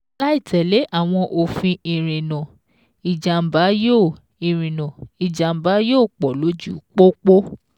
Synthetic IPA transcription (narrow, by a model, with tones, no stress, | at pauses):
la˦i˦˨tɛ˨le˨˦ʔa˦˨w̃ɔ̃˧ʔo˨fĩ˧i˧ɾ̃ĩ˨nã˨ | i˨d͡ʒa˨m̩˨ba˨˦joː˦˨ | i˧ɾ̃ĩ˨nã˨i˨d͡ʒa˨m̩˨ba˨˦joː˦˨k͡pɔ˨lo˨˦d͡ʒu˦˨k͡po˦k͡po˦